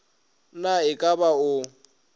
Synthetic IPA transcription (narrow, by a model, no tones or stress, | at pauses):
naɪkʼabaʊ